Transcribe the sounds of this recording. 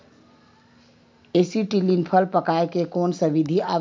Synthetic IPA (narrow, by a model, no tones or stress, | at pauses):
esiʈilinpʰəlpəkaekekonsəʋid̪ʱia